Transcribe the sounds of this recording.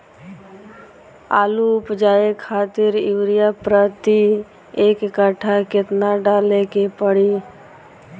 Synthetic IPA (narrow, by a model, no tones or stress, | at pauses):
a̰ːlupd͡ʒaːekʰaːt̪ɪɾɪʋɾɪjapɾət̪i | eːkkəʈʰakɪt̪naɖaːlekepəɽi